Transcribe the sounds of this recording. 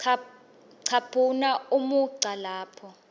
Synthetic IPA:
ǀʰapʰunaumuǀʱalaːpʰɔ

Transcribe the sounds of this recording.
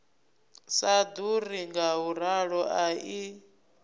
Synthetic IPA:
sad̪uriŋɡaɦuɾaɺɔʔai

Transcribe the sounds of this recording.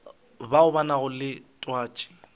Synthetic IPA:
baʊbanaɣʊlɪtʼwaːt͡ʃʼɪ̥

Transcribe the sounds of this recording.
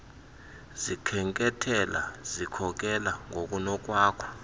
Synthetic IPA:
zikʰɛŋkʼɛtʰɛla̰zikʰɔk̬ɛlaŋok̬ʼunɔk̬waːkʰɔ̥

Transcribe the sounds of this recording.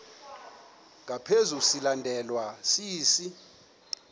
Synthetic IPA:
ŋʱapʰezusilandʱɛlwasiːsi

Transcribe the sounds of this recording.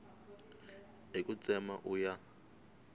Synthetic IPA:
ekʼut͡sʼɛma̰ʔuja

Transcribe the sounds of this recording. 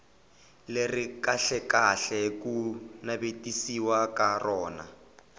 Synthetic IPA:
lerikaɬɛkaɬɛkunabetʼisiwakarɔːna̰

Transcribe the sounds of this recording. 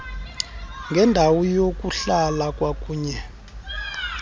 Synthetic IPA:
ŋɡʱɛndʱawɔjok̬ʼuɬalakʼwak̬ʼuːɲɛ

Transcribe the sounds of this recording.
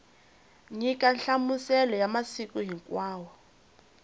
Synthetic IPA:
ŋikʼanɬamusɛlɔjamasikʼuɦiŋkʼwaːwɔ

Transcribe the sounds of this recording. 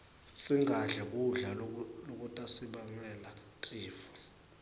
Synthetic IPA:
siŋʱaɮɛk̬ʼuɮallok̬ʼutʼasiɓaŋɛlatʼiːfɔ̥

